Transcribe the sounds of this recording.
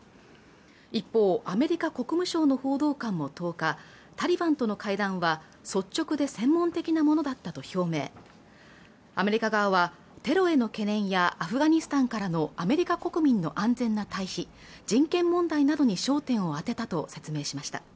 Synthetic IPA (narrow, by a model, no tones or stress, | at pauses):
ipːo̞ːʔame̞ɾʲikako̞kɯ̟mɯ̟ɕo̞ːno̞ho̞ːd̪o̞ːkãmːo̞t̪o̞ːka | t̪aɾʲibãnt̪o̞no̞kaid̪ãɰ̃βa | so̞t͡ɕt͡ɕːo̞kɯ̟d̪e̞sẽ̞mːõ̞nt̪e̞kʲinamonod̪at̪ːat̪o̞ço̞ːme̞̰ː | ame̞ɾʲikaɡaβaβa | t̪e̞ɾo̞e̞no̞ke̞nẽ̞ɰ̃jaʔaɸɯ̟ɡaɲ̟isɨ̥t̪ãŋkaɾano̞ame̞ɾʲikako̞kɯ̟mʲĩnːo̞̰ʔãnd͡zẽ̞nːat̪aiçi | d͡ʑĩŋkẽ̞mːõ̞nd̪ainad̪o̞ɲ̟iɕo̞ːt̪ẽ̞ɰ̃o̞at̪e̞t̪at̪o̞se̞t͡sɨme̞ːɕimaɕi̥t̪a̰